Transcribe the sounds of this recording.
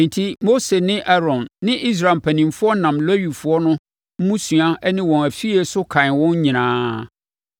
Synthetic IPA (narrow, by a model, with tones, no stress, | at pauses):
æ̃˨ntʰi˦mo˦se˨nɪ̃˦ʔa˦ɾɔ̃˨nːɪ̃˦ʔi˦s̬ɾa˨m̩˨pʰæ˨nĩ˨mfʊ˦ɔ˦nã˨mlɔ˦ɥi˨fʊ˨ɔ˦nʊ̃˦ | m̩˦mũ˦sɥa˦nɪ̃˦wɔ̃˨æ˨fi˦ɛ˨sʊ˦kʰã˨n˨wɔ̃˦ɲ˦ɲĩ˨nãː˦